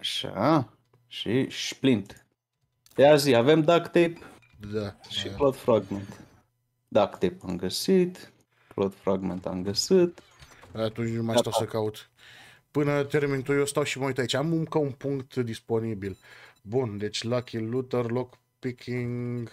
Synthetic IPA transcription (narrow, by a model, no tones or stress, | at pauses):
aʃa̰ | ʃiʃplint̪ | eaziavemd̪akt̪ep | d̪aʃilod̪fɾaɡment̪ | d̪akt̪epamɡəsit̪ | plod̪fɾaɡment̪a̰mɡəsɨt̪ | at̪unt͡ʃumast̪awsəkaut̪ | pɨnət̪e̞rmint̪ujost̪awʃiməujt̪ait͡ʃamumkaunpuŋkt̪d̪ispo̞nibilbund̪e̞t͡ʃʲlakʰilut̪ərlok | pikʲʰiŋɡ